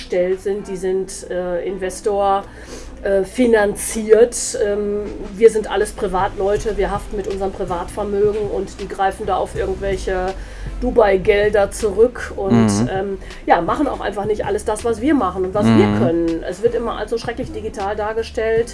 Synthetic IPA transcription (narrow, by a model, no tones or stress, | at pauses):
ʃtɛltz̥ɪntd̥iːzɪntʔɛːʔɪnvɛstoːɐ | ʔɛːfinant͡siːɐtʔɛːmviːɐzɪntʔaləspʁ̥ivaːtlɔʏtəviːɐɦaftn̩mɪtʔʊnzəʁənpʁ̥ivaːtfɛɐmøːɡŋ̩ʊntd̥iːɡʁaɪfn̩daːaʊfʔɪɐɡŋ̩tv̥ɛlçə | d̥uːbaɪɡɛldɐt͡suʁʏkʰʊntʔɛːm | jaːmaχn̩a̰ʊxʔa̰ɪnfaχnɪçtʔa̰ləsd̥asv̥asv̥iːɐmaχən̩ʊntvasv̥iːɐkʰœnənʔɛsv̥ɪɐtʔɪmɐʔa̰lszoːʃʁ̥ɛklɪçd̥iɡitʰaːldaːɐɡəʃtɛlt